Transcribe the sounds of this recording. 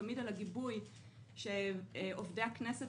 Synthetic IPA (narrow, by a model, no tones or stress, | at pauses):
amidalaɡibuj | ʃeovdeakneset